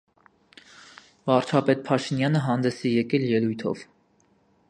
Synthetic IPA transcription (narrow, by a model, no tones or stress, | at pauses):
vɑɾt͡ʃʰɑpɛt̪̚pʰɑʃinjɑnəɦɑnd̪ɛsijɛkɛljɛlujt̪ʰɔ̰v